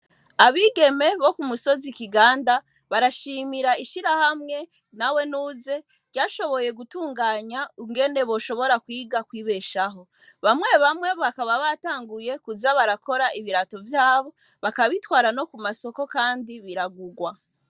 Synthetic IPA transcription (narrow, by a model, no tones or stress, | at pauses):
aβiɡe̞me̞βo̞kumuso̞zikiɡaːnda | βaɾaʃiːmiɾaiʃiɾahamŋe̞ | nawe̞nuːze̞̥ | ɟaːʃo̞βo̞je̞ɡutuːŋɡaːɲauŋɡe̞ne̞βo̞ːʃo̞βo̞ɾakwiːɡakwiːβe̞ʃaɦo̞ | βamŋe̞βamŋe̞βakaβaβataːŋɡuje̞kuzaβaɾako̞ɾaʔiβiɾato̞vjaːβo̞ | βakaβitwaːɾano̞kumaso̞ko̞kaːndiβiɾaɡuɡwa